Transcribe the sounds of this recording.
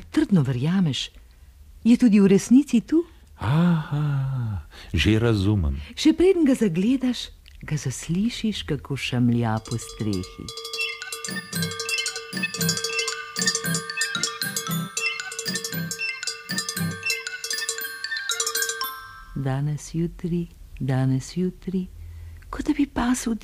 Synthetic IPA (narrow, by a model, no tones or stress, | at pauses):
t̪əɾd̪nɔʋəɾjaːmɛʃ | jɛt̪uːd̪iuɾɛsnisit̪uː | aha | ʒeɾazumə̰mʃɛpɾeːd̪nɡazaɡleːd̪aʃ | ɡazasliːʃiʃkakʰoːʃamljapɔst̪ɾeːxḭ | d̪aːnɛsjuːt̪ɾi | d̪aːnɛsjuːt̪ɾikɔabipaːsəwd̪